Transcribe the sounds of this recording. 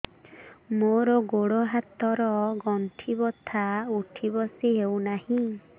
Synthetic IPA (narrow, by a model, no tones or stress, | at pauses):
moɾɔɡoɽoɦat̪ɔɾɔɡɔnʈʰibɔt̪ʰauʈʰibɔsiɦewnahĩ